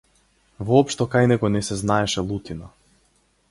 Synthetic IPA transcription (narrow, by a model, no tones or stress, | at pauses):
vɔɔpʃt̪ɔkajnɛɡɔnɛsɛznaɛʃɛlˠut̪ina